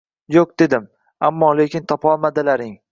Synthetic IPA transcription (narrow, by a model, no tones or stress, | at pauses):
joq̚d̪e̞d̪ɪm | amːɒːle̞kʲʰɪnt̪ʰɒpʰɒlˠmad̪ɪlaɾɪŋ